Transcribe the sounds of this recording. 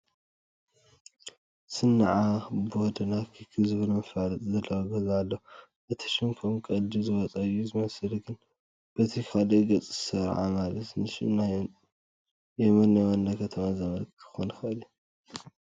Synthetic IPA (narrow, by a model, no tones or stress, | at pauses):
sɨnːaʕabod̪ɨnakʰɐkʰɨzɨβɨlɐmfaɾɐt̪ʼzɐlːɐwaɡɐzalːo | ʔɨt̪ʰɐ̥ʃɪmkʰomkʼɐld̪izɨwɔt͡sʼɐɨjːuzɨmɐsɨlɡɨn | b̥ɐt̪ʰikʰaliɡɐt͡sʼzɨsɐɾʕa̰malɐt̪nɨʃɨ̰na | jɛmɐnːɐwanːakʰɐt̪ʰɐmazɐmɐlk̪ʰɨ̥xonxɐʔɨlu